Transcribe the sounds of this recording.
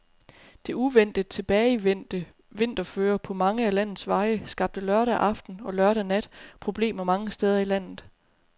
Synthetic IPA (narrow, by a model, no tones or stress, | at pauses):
d̥e̝uʋen̰d̥ə̥t͡sʰe̝b̥ɛːɪ̥ | ʋe̝n̰d̥ɐføːɐpʰɒ̽mɑ̈ŋəælæn̰ð̩ˠsʋɑ̈ɪəsɡ̥ɑ̈b̥̚d̥əlɶɐɾæʔɑ̈fd̥n̩ɒ̽lɶɐɾænæd̥pʰʁo̝b̥le̝̰ːmɐmɑ̈ŋəsd̥eð̞ˠɐilæn̰ð̩ˠ